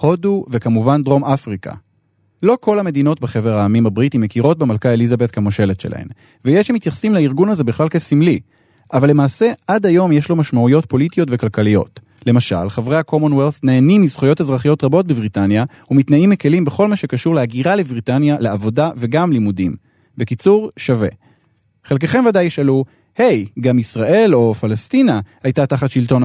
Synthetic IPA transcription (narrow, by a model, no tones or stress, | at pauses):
ho̞duvekamuvandʁo̞mafʁikʰa̰ | lo̞ko̞lame̞d̪ino̞tbeχe̞ve̞ʁaːmimabʁitime̞kiʁo̞t̚bemalkaelizabe̞tkamoʃe̞le̞tʃe̞la̰hḛm | vejeʃamit̪jaχsimlaiʁɡunaze̞biχlalkesimli | ʔavalːe̞maːse̞adajo̞mjeʃlo̞maʃmaujo̞t̚po̞litijo̞tve̞kalkalijo̞̰t | le̞maʃa̰lχavʁejhako̞monwelθneːnimizχojo̞thazʁaχijo̞tʁabo̞t̚bebʁitanja | umitnaimike̞limbe̞χo̞lmaʃe̞kaʃuʁleaɡiʁalebʁitanjaleavo̞dave̞ɡamlimudim | bekit͡suʁʃave̞̰ | χelk̬eχe̞mvadajiʃalu | he̞jɡamisʁaʔe̞lo̞falastinahajtataχatʃilto̞n